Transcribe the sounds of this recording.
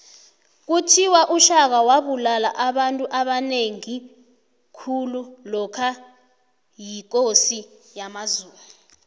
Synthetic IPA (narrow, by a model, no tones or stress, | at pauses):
k̬utʰiwaʔuʃak̬awaɓulalaʔaɓantʼuʔaɓaneŋi | kʰululɔkʰa | jik̬ʼosijamazuːmu